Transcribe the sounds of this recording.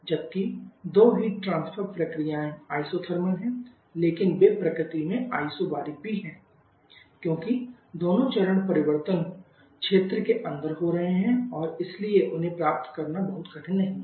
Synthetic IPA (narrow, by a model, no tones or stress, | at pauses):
d͡ʒɐb̚kid̪oːɦiːʈʈɾãːnspʰəɾpɾɐkɾijãːẽaːisot̪ʰəɾmənɦɛ̃ | leːkɪnbeːpɾɐkɾɪt̪imẽa̰ːisobaːɾibiɦɛ̃ː | kjõːki | d̪oːnõt͡ʃɐɾəɽ̃pɐɾɪʋəɾt̪ən | kʃeːt̪ɾəkeʔɐ̃nd̪əɾɦoɾɐɦeɦɛ̃ɔːɾɪslieʔʊnɦẽpɾaːp̚t̪kɐɾnabɐɦʊt̪kɐʈʰɪnːɐɦĩ